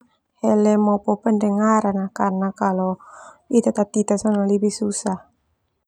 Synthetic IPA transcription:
hɛlɛmɔpɔpəndəŋaɾanakarnakaloit̪at̪ap̚t̪it̪asɔnalibihsusah

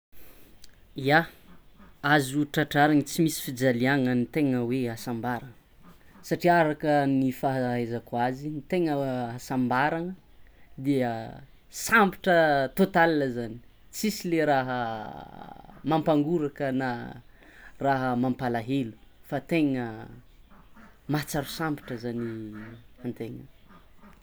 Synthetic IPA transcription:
ia | azuʈ͡ʂaʈ͡ʂaɾaŋət͡simisi̥fid͡zaliaŋənit̪eŋəweasambaɾaŋə | saʈ͡ʂiaɾakənifaɦɦezakwazinit̪eŋəasambaɾaŋə | d̪iə | sampi̥ʈ͡ʂət̪ot̪alinəzani̥ | t͡sisileɾaɦə | mampaŋɡuɾakəna | raɦəmampalaɦelu̥fat̪eŋə | mat͡saɾusampi̥ʈ͡ʂəzani | ant̪eŋə̰

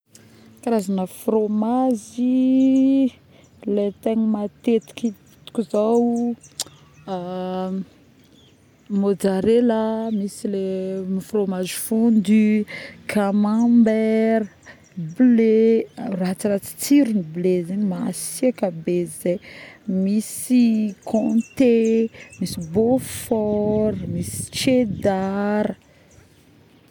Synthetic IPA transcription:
kaɾazanəfromazi | let̪eɲimat̪et̪i̥kʲi | t̪u̥kʲuzaw | mod͡zaɾeləmisilemifromazi̥fund̪ikʰamambɛɾə | blerat͡siɾat͡si̥t͡siɾuniblezaɲimasiakabezemisikʰõt̪emisibofɔɾmisi̥t͡ʃed̪aɾə

